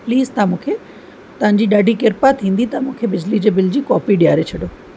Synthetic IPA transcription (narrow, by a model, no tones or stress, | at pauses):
pliːzt̪ɐãmũːkʰe | t̪ɐʋãɲ̆d͡ʑiːɗaːɖʱikɪɾpat̪ʰĩːn̆d̪it̪ɐmũːkʰebɪd͡ʑlid͡ʑeːbɪld͡ʑiːkɔːpiɗijaːɾet͡ɕʰɐɗjoː